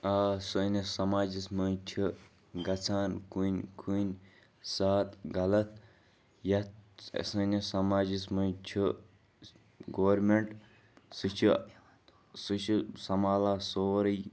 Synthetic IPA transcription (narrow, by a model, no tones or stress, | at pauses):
aːsɨnisɐmaːd͡ʒismɐt͡ʃʰi | ɡɐt͡sʰaːnkunʲkʰunʲ | saːt̪ɡɐlɐt̪̚ʰ | jɐt̪sənisɐmaːd͡ʒismɐjt͡ʃʰi | ɡoːɾmeɳʈ | sɨt͡ʃʰi | sɨt͡ʃʰusɐmaːlaːsoːɾɨj